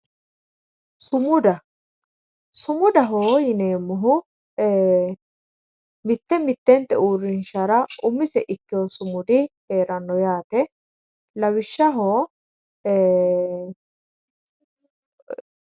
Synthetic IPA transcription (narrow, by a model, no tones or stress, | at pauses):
sʊmʊd̪ɐ | sʊmʊd̪ɐɦoːjɪneːmːʊɦʊ | mɪt̪ːɛmɪt̪ːɛnt̪ːɛuːɾɪnʃɐɾɐʔʊmːɪsɛʔɪkːɪjosʊmʊd̪ɪheːɾɐnːɔjaːt̪ɛ | lɐwɪʃːɐɦoː